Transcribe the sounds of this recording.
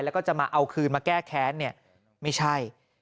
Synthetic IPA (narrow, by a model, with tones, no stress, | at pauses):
jlɛ˦˥kɔː˥˩t͡ɕa˨˩ʔmaː˧ʔa˧wkʰɯː˧nmaː˧kɛː˥˩kʰɛː˦˥nːi˥˩ɐ | ma˥˩jt͡ɕʰa˥˩j